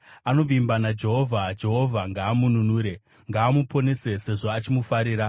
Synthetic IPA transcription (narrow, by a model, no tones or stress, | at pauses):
ano̞ʋimbanad͡ʒe̞ɦo̞vʱad͡ʒe̞ɦo̞vʱaŋɡaːmununuːɾe̞ | ŋɡaːmupʰo̞ne̞se̞se̞ʐoat͡ʃimufaɾiːɾa